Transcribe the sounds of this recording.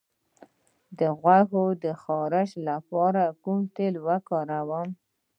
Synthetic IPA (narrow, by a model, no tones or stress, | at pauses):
d̪əɣwaɦod̪əxɑɾɪʃlapɑɾakumt̪elwəkɑɾawəm